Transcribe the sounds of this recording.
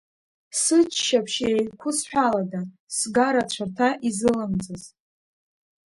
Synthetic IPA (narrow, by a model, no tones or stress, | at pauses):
sɨt͡ʃʰʃapʰʃekʷʰʊsħᶣʷalada | sɡaɾat͡ɕʷʰartʰaʔizɨlɨmd͡zɨz